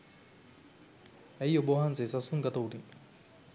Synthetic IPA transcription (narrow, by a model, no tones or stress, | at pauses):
æjobɐʋɐɦans̬esasuŋɡat̪ɐuʈiŋ